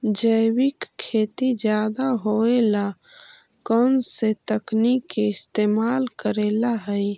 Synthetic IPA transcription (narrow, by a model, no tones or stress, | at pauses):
d͡ʒəɪwɪkʰːeːt̪id͡ʒjaːd̪aɦoela | kənset̪əknikːeɪst̪eːmaːlkəɾeːlaɦəj